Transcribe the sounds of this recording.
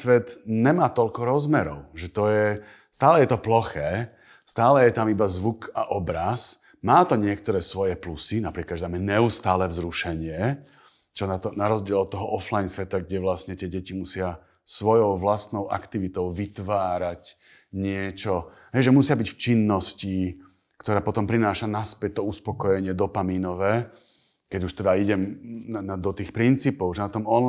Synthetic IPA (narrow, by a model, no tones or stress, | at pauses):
sʋɛt̪ɲɛmaːt̪ɔlkɔɾɔzmɛɾɔʊʒɛt̪ɔjɛ | st̪aːlɛjɛt̪ɔplɔxɛː | st̪aːlɛjɛt̪amibazʋuka̰ʔɔbɾas | maːt̪ɔɲɪɛkt̪ɔɾɛːsʋɔjɛplusinapɾiːklad̪ʒɛd̪amɛɲɛust̪aːlɛvzɾuʃɛɲɪɛ | t͡ʃɔnat̪ɔnaɾɔzɟɪɛlɔt̪ːɔɦɔʔɔflajnsʋɛt̪aɡɟɛʋlasɲɛt̪ɪɛɟɛcimusɪa | sʋɔjɔʊʋlast̪nɔʊʔa̰kt̪iʋit̪ɔʊʋit̪ʋaːɾac | ɲɪɛt͡ʃɔ | ɦɛjʒɛmusɪabicft͡ʃinːɔsci | kt̪ɔɾaːpɔt̪ɔmpɾinaːʃanaspɛc̚t̪ɔuspɔkɔjɛɲɪɛd̪ɔpamiːnɔʋɛː | kɛɟuʃt̪ɛd̪aiɟɛmad̪ɔt̪iːxpɾint͡siːpɔʊʒɛnat̪ɔmɔn